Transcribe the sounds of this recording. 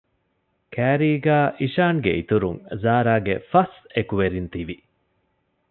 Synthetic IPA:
kʰæːɾiːɡæːʔiʃaːŋɡḛit̪uɾuŋzaːɾaːɡefɐsekuʋeɾint̪iʋi

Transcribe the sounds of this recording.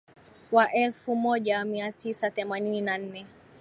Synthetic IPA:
waʔɛlfumɔʄamiatʰisaθɛmanininan̩nɛ

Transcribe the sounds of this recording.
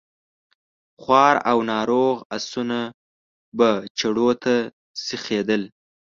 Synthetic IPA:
χwɑɾawnɑɾoɣasuna | bat͡ʃaɽot̪a | sixed̪əl

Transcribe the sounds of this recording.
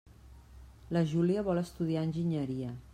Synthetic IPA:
ləʒuliəβɔləst̪uðiaənʲʒiɲəɾiə

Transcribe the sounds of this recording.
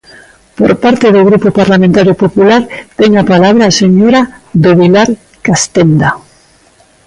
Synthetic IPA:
po̰ɾpaɾt̪eðoɣ̞ɾupopaɾlamẽnt̪aɾjopopulaɾt̪eŋapalaβ̞ɾaseɲoɾad̪oβilaɾ | kast̪end̪a

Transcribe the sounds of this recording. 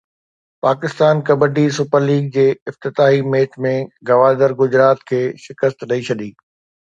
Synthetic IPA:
paːkɪst̪aːnkɐbəɖisʊpəɾliːɡ̚d͡ʑeːɪft̪ɪt̪aːɦimeːt͡ɕmẽɡɐʋaːd̪əɾɡʊd͡ʑɾaːt̪kʰeːʃɪkəst̪ɗɐit͡ɕʰɐɗ̪iː

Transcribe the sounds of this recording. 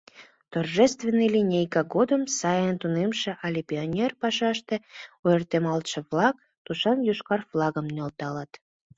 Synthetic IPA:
t̪orʒest̪venːilʲinʲejkɑɡod̪əmsɑjənt̪unemʃĕʔɑlʲipʲionʲerpɑʃɑʃt̪euert̪emɑlt̪ʃə̆vlɑk̚ | t̪uʃɑnjuʃkɑrflˠɑɣəmnolt̪ɑlɑt̪

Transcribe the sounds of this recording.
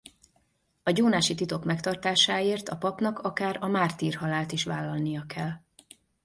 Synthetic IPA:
ɒɟoːnaːʃit̪it̪o̞kmɛkt̪ɒrt̪aːʃaːeːrt̪ɒpɒpnɒkʰɒkaːɾɒmaːrt̪iːrhɒlaːlt̪iʃʋaːlːɒlnijɒkʰɛlː

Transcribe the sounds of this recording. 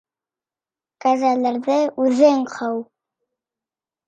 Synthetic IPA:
kæzælɘɾðɘʉðɘɴqʰɤw

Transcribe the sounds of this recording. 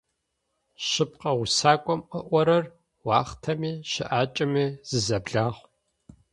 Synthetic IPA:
ʃɪp̚qʼɐwʊsaːkʷʼɔmʔəʔʷɔɾɐr | wɑːχtʰɐmiːʃɪʔaːt͡ʃʼɐmiːz̥ɨzɐbɮaːʁʷ

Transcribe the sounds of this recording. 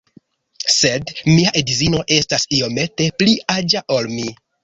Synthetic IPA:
se̞dmiaʔedizino̞ʔe̞stasio̞me̞te̞pliad͡ʒaʔo̞lmi

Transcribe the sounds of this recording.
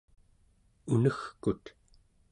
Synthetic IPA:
unəxkut̪

